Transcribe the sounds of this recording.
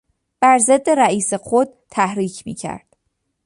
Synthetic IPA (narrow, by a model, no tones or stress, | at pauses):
b̥æɾze̞d̪ːe̞ɾæiːsexod̪̚t̪ʰæhɾiːcʰmḭːcʰæ̰ɾd̪̥